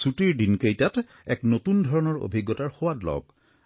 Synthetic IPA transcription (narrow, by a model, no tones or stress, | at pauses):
sutiɹdinkejtat | ɛknotundʱɔɹɔnɔɹo̰bʱiɡːɔtaɹxowatlɔ̰k̚